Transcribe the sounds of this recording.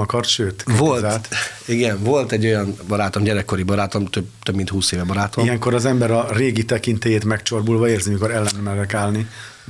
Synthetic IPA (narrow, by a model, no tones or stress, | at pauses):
ɒkɒrʃøːt̪volat̪iɡɛnvo̞lt̪ɛɟːo̞jɒnbɒɾaːt̪o̞mɟɛɾɛkːo̞ɾibɒɾaːt̪o̞mt̪øbt̪øbmint̪huːseːvɛbɒɾaːt̪oijɛŋko̞ɾɒzɛmbɛɾɒreːɡit̪ɛkint̪eːjeːt̪mɛkt͡ʃorbulvɒeːrzimiko̞ɾɛlːɛnːmɛɾɛkaːlni